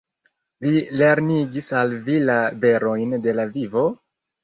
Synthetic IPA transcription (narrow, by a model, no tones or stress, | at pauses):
lile̞ɾniɡisalvilabe̞ɾo̞jnde̞lavivo̞